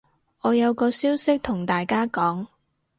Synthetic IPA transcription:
ɔː˨˧jɐ˨˧wkɔː˧siː˥wsɪ˥k̚t̪ʰʊ˨˩ŋt̪aː˨jkaː˥kɔː˨˥ŋ

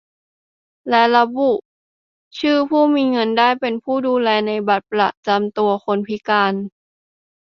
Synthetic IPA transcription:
lɛ˦˥la˧bu˨˩ʔ | t͡ɕʰɯː˥˩pʰuː˥˩miː˧ŋɤ˧ndaː˥˩jpe˧npʰuː˥˩duː˧lɛː˧na˧jba˨˩t̪̚pla̰˨˩ʔt͡ɕa˧mt̪u˧ɐxo˧npʰi˦˥kaː˧n

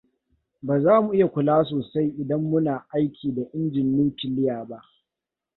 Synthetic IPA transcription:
baː˨zaː˦mu˨ʔɪ˦ja˨kʷʊ˨laː˦s̬oː˨sa˦jʔɪ˨dɐ˦mːʊ˦naː˨ʔa˦jkʲʰiː˨da˨ʔɪ˦nd͡ʒɪ˨nːuː˦tɪ˨lɪ˦jaː˨ba˦ʔ

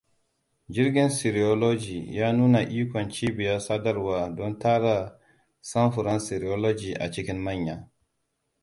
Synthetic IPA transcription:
d͡ʒɪ˦ɾɡʲɪ˦nsi˨ɾi˨o˦lo˦d͡ʒi˨jaː˦nuː˦na˨ʔiː˦kʷɔ˨nt͡ʃiː˦bɪ˨ja˦saː˦dɐ˦ɾwaː˦dɔ˦ntaː˦ɽa˨ | sɐ˦mɸʊ˨ɾɐ˦nsi˨ɾi˨o˦lo˦d͡ʒiː˨ʔa̰˨t͡ʃɪ˦kʲɪ˦mma˦ɲjaː˨

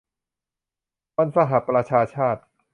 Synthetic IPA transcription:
wa˧nsa˧ɦa˨˩˦pɾa˧t͡ɕʰaː˧t͡ɕʰaː˥˩t̪̚

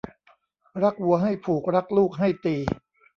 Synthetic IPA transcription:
ɾa˦˥k̚wu˧ɐɦa˥˩jpʰuː˨˩k̚ɾa˦˥k̚luː˥˩k̚ɦa˥˩jt̪iː˧

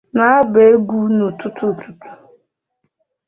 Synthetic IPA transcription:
na˦a˦be˨˦e˦ɡʷu˦nu˨tu˦tu˦˨tu˦tu̥˨

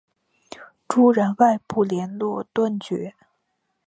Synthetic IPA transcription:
ʈ͡ʂu˥ɻa˧˥nwa˥˧ɪpu˥˩ljɛ˧˥nlwɔ˥˧t̪wa˥˩nt͡ɕɥɛ˧˥

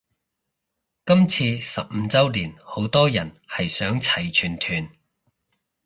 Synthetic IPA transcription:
kɐ˥mt͡sʰiː˧sɐ˨p̚m̩˧t͡sɐ˥wliː˨˩nho˨˥wt̪ɔː˥jɐ˨˩n | hɐ˨jsœː˨˥ŋt͡sʰɐ˨˩jt͡ʃʰyː˨˩nt̪ʰyː˨˩n

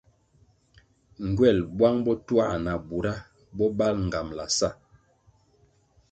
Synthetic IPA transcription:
ŋ̩˨ɡwɛ˦˨lbwa˦ŋbɔ˦twa̰˦˨ʔna˨bu˨ɾa˦ | bɔ˦ba˦lŋ̩˨ɡa˨mla̰˨sa˦˨

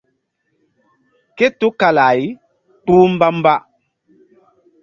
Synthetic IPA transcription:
kɛ˦tu˦ka˨la˨j | k͡puː˦m̩˦ba˦m̩˦ba˦

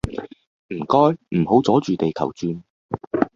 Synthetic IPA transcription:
m̩˨˩kɔː˥jm̩˨˩ho˨˥wt͡sɔː˨˥t͡ʃyː˨t̪e˨jkʰɐ̰˨˩wt͡ʃyː˧n

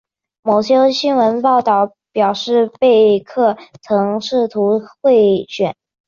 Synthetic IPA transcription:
mo˨˩ʊɕjɛ˥ɕi˥nwə˧˥npɑ˥˧ʊt̪ɑ˥˩ʊ | pjɑ˨˩ʊʂɻ̩˥˧pe˥˧ɪkʰɤ˥˩t͡sʰɤ˧˥ŋʂɻ̩˥˩t̪ʰu˧˥xwe˥˩ɪɕɥɛ˨˩˦n

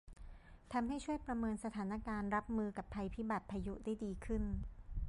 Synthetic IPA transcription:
t̪ʰa˧mɦa˥˩jt͡ɕʰu˥˩əjpɾa˧mɤː˧nsa˧t̪ʰaː˩˦na˦˥kaː˧nɾa˦˥p̚mɯː˧ka˨˩pʰːa˧jpʰi˦˥ba˨˩t̪̚pʰaː˧ju˦˥daː˥˩jdiː˧kʰɯ˥˩n

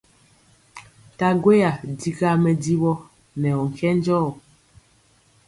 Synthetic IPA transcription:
ta˨ɡwe˦ja˨di˦ɣa˦mɛ˨di˦βɔ˦ | nɛ˨ɔ˨ŋ̩˨kɛ˦n˦d͡ʒɔː˦˨

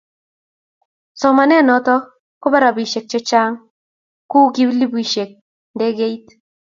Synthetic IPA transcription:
sɔ˨ma˨nɛ˦˨nɔ˨tɔ˦ | kʊ˦bɛ˦ɾa˨bi˨ʃe˨k̚t͡ʃɛ˦t͡ʃa˦ŋ | ku˦ki˦bli˦bu˨i˨ʃe˨k̚ | ndɛ˦ɡe˦i˦t

